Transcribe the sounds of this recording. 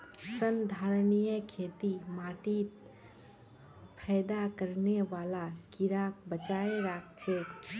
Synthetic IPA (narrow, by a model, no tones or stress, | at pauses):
sənd̪ʱaːɾnijəkʰeːt̪imaːʈit̪ | pʰɛːjd̪akəɾneʋaːlakiɾaːk̚bət͡ʃaːeɾak̚t͡ʃʰeːk